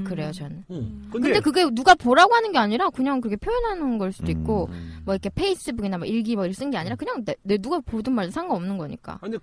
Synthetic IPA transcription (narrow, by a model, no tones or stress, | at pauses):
kɯɾe̞jot͡ɕʌnkɯnde̞kɯɡe̞nuɡapoɾaɡoɦanɯnɡe̞aɲiɾakɯɲaŋkɯɾʌkʰe̞pʰjojʌnɦanɯnɡʌɭs͈udoik̚k͈omwʌiɾkʰe̞pʰe̞is͈ɯbuɡinamʌʔiɭɡimʌiɾʌs͈ɯnɡe̞aɲiɾakɯɲaŋnene̞nuɡapodɯnmaɭdosʰaŋɡaʌmnɯnɡʌɲḭk͈a̰